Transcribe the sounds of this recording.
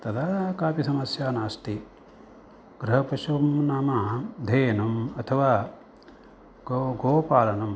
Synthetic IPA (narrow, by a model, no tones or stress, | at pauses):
t̪ɐd̪ʱakaːpisɐmɐsjaːnaːst̪i | ɡ̥ɾɐɦɐpɐʃuɐmnaːmaːd̪ʱeːjɐnɐmɐt̪ʰɐʋaː | ɡɡoːpaːlɐnɐm